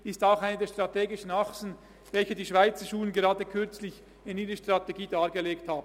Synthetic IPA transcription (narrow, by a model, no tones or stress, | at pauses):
ɪstaʊxaɪnədeːɐʃtʁ̥ateːɡɪʃn̩aχsn̩ | vɛlçədiːʃv̥aɪt͡səʃuːlənɡeʁɑːdəkʰʏɾt͡slɪç | ɪniːɾəʃtʁ̥ateɡiːdaːʁɡeleːkthaːbn̩